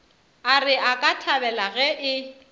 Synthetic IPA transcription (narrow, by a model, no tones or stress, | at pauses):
arɪʔakʼatʰabɛlaɣɛʔɪ